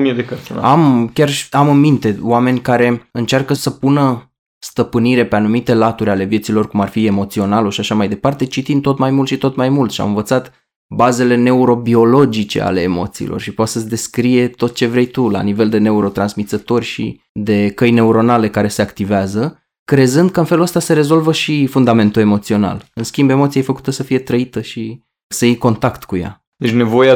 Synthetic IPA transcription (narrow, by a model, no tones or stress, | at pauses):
mjed̪ekəsamkʲaramɨnmint̪e̞wame̞nʲkaɾe̞ɨnt͡ʃarkəsəpunə | st̪əpɨniɾe̞pe̞anumit̪e̞lat̪uɾʲale̞vje̞t̪silo̞rkumarfie̞mo̞t̪sio̞naloʃiaʃamajd̪e̞part̪e̞t͡ʃit̪int̪o̞t̪majmult̪ʃit̪o̞t̪majmult̪ʃia̰mɨnvət̪sat̪ | baze̞le̞ne̞uɾo̞bio̞lo̞d͡ʒit͡ʃe̞̰a̰le̞ːmo̞̰t̪sḭlʔo̰rʃipoat̪səd̪e̞skɾije̞t̪o̞t̪̚t͡ʃe̞vɾe̞jt̪ula̰nive̞ld̪e̞ne̞uɾo̞t̪ɾansmit̪sət̪o̞rʲʃḭ | d̪e̞kəjne̞uɾo̞nale̞kaɾe̞se̞akt̪iveazə | kɾe̞zɨnd̪̚kəɨnfeluəst̪ase̞ɾe̞zo̞lvəʃifund̪ame̞nt̪ue̞mo̞t̪sio̞na̰lɨnskʲimbe̞mo̞t̪sijejfəku̥t̪əsəfije̞t̪ɾəit̪əʃi | səjejko̞nt̪akt̪kuja̰ | d̪et͡ʃʲne̞vo̞ja